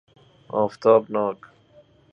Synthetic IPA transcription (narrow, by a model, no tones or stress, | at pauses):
ɑ̰ːft̪ɑːbnɑːk